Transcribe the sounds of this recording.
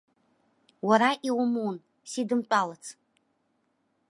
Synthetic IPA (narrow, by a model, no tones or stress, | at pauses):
waɾaʔiwmuwn | sidɨmt͡pʷʼalat͡sʰ